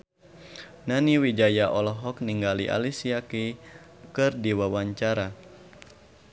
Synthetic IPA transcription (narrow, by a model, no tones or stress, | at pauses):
naniwid͡ʒajaʔɔlɔɦɔk̚niŋɡaliʔa̰lisiaki | kɨrdiwawaɲt͡ʃaɾa